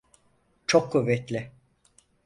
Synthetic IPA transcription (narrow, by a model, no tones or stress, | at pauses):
t͡ʃʰokʰːuvːɛt̪lʲɪ